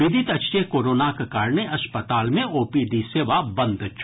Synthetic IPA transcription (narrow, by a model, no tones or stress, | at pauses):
ɪd̪ʱɪt̪ɐt͡ʃekoːɾoːnakɐkaːɾneɐspət̪aːlmẽoːpiɖ̪iseːʋabɐ̃nd̪t͡ʃʰ